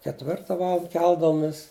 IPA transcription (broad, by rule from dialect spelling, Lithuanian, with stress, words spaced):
kʲɛtʲˈʋʲɪrtɐ ˈʋɑːlˠɐnt ˈkʲɛlˠdɐʋoːmʲɪs